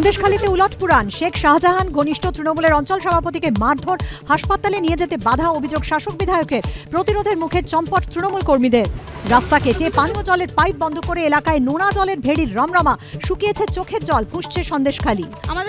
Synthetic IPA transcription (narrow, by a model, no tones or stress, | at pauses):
nd̪eʃkʰalit̪euloʈpuɾanʃekʰʃaɦd͡ʑaɦanɡʱoniʃʈʰot̪ɾinomuleɾɔnt͡ɕɔlʃɔbʱapot̪̬ikemaɾd̪ʱoɾhaʃpat̪alenied͡ʑet̪ebad̪ʱaobʱid͡ʑoɡʃaʃok̚bid̪ʱaeokeɾpɾot̪iɾod̪ʱeɾmukʰeɾt͡ɕɔmpɔʈt̪ɾinomulkoɾmid̪eɾɾast̪akeʈepaniod͡ʑɔleɾpajp̚bɔnd̪ʱokoɾeelakaenonad͡ʑɔleɾbʱeɽiɾːɔmɾɔmaʃukijet͡ɕʰet͡ɕokʰeɾd͡ʑɔlbʱũʃt͡ɕʰeʃɔnd̪eʃkʰali